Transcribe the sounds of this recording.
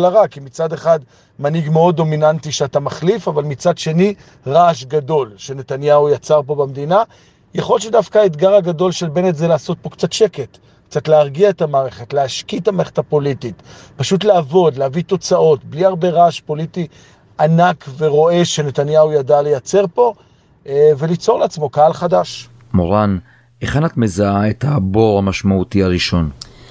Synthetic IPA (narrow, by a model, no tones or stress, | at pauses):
laʁakimit͡sad̪e̞χad̪ | maniɡmeo̞dːo̞minantiʃeatamaχlifavalmit͡sad̪ʃe̞ni | ʁaʃɡado̞lʃe̞ne̞tanjaujat͡saʁpo̞bamd̪ina | jaχo̞lʃedafkaaet̪ɡaʁaɡado̞lʃe̞lbe̞netzelaːso̞t̚po̞kt͡satʃe̞ke̞t | kt͡satleaʁɡiaetamaːʁe̞χe̞tleaʃkitamaːʁeχe̥thapo̞lititpaʃutleːvo̞d̪leavit̪o̞t͡saʔo̞tbliaʁbe̞ʁaʃpo̞liti | anakve̞ʁo̞e̞ʃe̞ne̞tanjaujadalejat͡se̞ʁpo̞ | ve̞lit͡so̞ʁleat͡smo̞kaalχadaʃ | moʁan | eχanatmezaaetaboʁhamaʃmautiaʁiʃo̞n